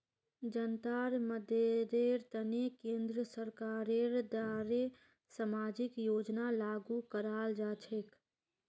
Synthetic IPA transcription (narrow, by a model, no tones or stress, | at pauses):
d͡ʒənt̪aɾməd̪ʱed̪eɾt̪ənekẽnd̪ɾəsəɾkaɾeɾd̪aɾe | samad͡ʒɪkjoːd͡ʒnalaɡukəɾald͡ʒat͡ʃʰek